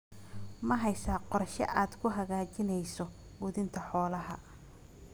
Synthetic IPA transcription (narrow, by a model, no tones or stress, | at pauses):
mɐɦɛjsaːqɔrʃɐ̰ʔaːd̪kʰʊɦɐɣaːt͡ʃɪnɛjsɔ | ɡʊðɪnt̪ʰɐħɔːlɐɦɐ